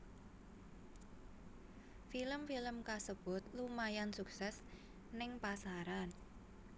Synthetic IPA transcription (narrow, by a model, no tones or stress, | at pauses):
filəmfiləmkasəb̥ʊt̪̚lumajansuksɛs | nɪŋpasaɾan